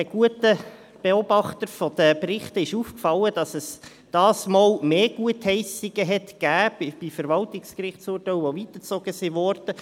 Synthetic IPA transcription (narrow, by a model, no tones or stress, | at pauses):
əɡ̥uətə | b̥ɛɔb̥ɑχtəɾfɔd̥̪əpɾɪχtəɪʃuːfkfɑlːəd̥ɑsɛs | d̥ɑːsmɑːlmeːɡ̥uəthɛɪsɪɡəɦɛtɡ̥æːbb̥ifəɾʋɑltɪkskrɪχsuːrtɛʊovit̪ət͡sɔɡ̥əsiʋɔrd̥ə